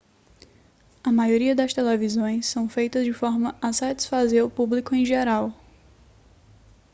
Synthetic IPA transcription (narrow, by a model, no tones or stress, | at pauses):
ɐmajoɾiɐd̪ɐst̪elevizõj̃sːɐ̃w̃fejt̪ɐzd͡ʒɪfɔɾmɐɐsat͡ʃi̥sfazeɾʊpublikʊẽj̃ʒeɾaw